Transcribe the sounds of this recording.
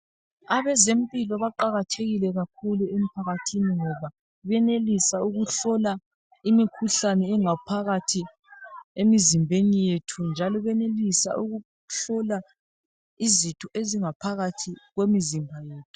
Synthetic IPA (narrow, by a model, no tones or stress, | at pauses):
aβɛzem̩pʼilɔβaǃaɣatʰeɣilɛɣak̚ʰuluem̩pʰaɣatʰiniŋɔβa | βɛnelisauɣuɬɔla | imikʰuɬanɛɛŋapʰaɣatʰi | emizimbʱenijetʰund͡ʒʱalɔβɛnelisa̰ʔuɣu | ɬɔla | izitʰɔʔeziŋapʰaɣatʰiɣwemizimbʱajeːtʰu̥